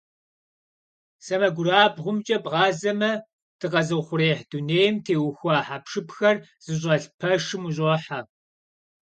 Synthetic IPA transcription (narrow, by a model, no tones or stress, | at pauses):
sɐmɐɡʷʊɾaːbʁʷʊmt͡ʃʼɐbʁɑːzɐmɐ | d̥ɨqɐzɨχʷʊɾeːħd̥uneːjɪmtʰeːwxʷɑːħaːpʂɨpxɐrz̥ɨɕ̬ʼɐɬpʰɐʂɨmuɕ̬ʼɔħa